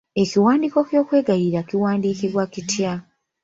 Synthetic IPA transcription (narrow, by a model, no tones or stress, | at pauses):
e̞kiwaːndiːko̞kjo̞ːkwe̞ːɡajiɾakiwaːndiːkiβwakitja